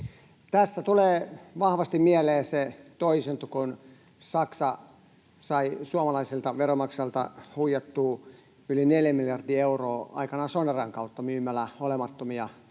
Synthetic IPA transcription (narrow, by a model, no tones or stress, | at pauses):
t̪æsːæt̪uleːʋɑhʋɑst̪immiæleːset̪oisent̪ukon | sɑksɑ | sɑisuɑmɑlɑiselt̪ɑʋeromɑksɑlt̪ɑ̰huijet̪ːuː | ylineljæmiljɑrdiːeuroːɑ̰ikɑnɑsonerɑŋkɑut̪ːɑmyːmælæolemɑt̪ːomiɑ